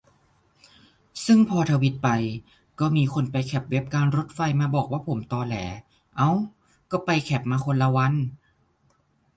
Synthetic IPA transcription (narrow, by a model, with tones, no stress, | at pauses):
sɯ˥˩ŋpʰɔː˧t̪ʰa˧wi˦˥t̪̚pa˧j | kɔː˥˩miː˧kʰo˧npa˧jkʰɛ˨˩p̚we˦˥p̚kaː˧nɾo˧˦˥t̪̚fa˧jmaː˧bɔː˨˩k̚waː˥˩pʰo˩˦mt̪ɔː˧lɛ̰ː˩˦ | ʔa˧˥w | kɔː˥˩pa˧jkʰɛ˨˩p̚maː˧kʰo˧nla˧wa˧˥˨n